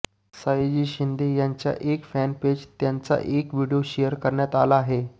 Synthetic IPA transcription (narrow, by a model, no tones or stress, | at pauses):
sajd͡ʑiːɕind̪ejaɲt͡ɕja̰ʔekfænped͡ʑt̪jant͡sa̰ʔekʋiɽijoɕejəɾkəɾɳjat̪alaːɦe